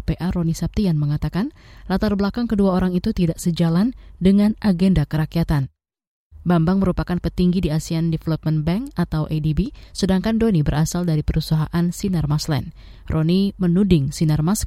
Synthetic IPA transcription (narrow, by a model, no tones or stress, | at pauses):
peʔaɾonisap̚t̪ianməŋat̪akanlat̪arbəlakaŋkəduaoɾaŋit̪ut̪idaʔsəd͡ʒalandəŋanʔaɡendakəɾakiat̪an | bambaŋməɾupakanpət̪iŋɡidiasiandɛfəlɔp̚mənbɛŋkat̪awʔedibisədaŋkandonibəɾʔasaldaɾipəɾusaɦaʔansinarmaslɛ̰n | rʔonimənudɪŋsinarmas